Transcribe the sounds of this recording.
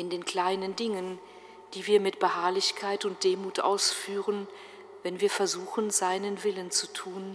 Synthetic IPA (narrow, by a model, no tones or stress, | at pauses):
ʔɪndeːnkl̥aɪnəndɪŋən | d̥iːviːɐmɪtb̥əhaɐlɪçkʰaɪtʊnt̚d̥eːmuːtʔa̰ʊsfyːʁən | vɛnviːɐfɛɐzuːxənzaɪnənvɪlənt͡sutʰuːn